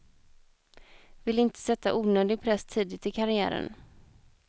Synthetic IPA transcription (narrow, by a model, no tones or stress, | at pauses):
vɪlɪnt̪ə̥sɛt̪ːa̰ʔuːnøːd̪ɪɡ̚pʰɾɛst̪ʰiːd̪ɪt̪ɪkʰaɾɪæ̰ːɾə̰n